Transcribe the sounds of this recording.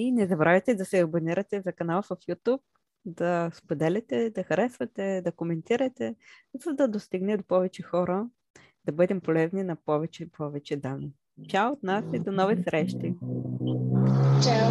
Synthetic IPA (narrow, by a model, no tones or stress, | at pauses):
inɛzɐbɾʔavʲɛt̪ɛd̪ɐsɛɐboniɾɐt̪ɛzɐkɐnalˠvɐfjut̪up̚ | d̪ɐspod̪ɛlʲɛt̪ɛd̪ɐxɐɾɛsvɐt̪ɛd̪ɐkomɛnt̪iɾɐt̪ɛzɐd̪ɐd̪ost̪iɡnɛd̪opɔvɛt͡ʃɛxɔɾə | d̪̥ɐbɤd̪ɛmpolɛzninɐpɔvɛt͡ʃɛpʰɔvɛt͡ʃɛd̪anːi | t͡ʃaot̪nasid̪onɔvisɾɛʃt̪i | t͡ʃ